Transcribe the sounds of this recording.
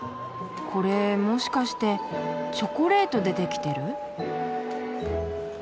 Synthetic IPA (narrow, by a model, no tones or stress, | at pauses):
kʰo̞ɾe̞mo̞ɕi̥kaɕi̥t̪e̞t͡ɕo̞koɾe̞ːt̪o̞d̪e̞t̪e̞kʲi̥t̪e̞ɾɯ̟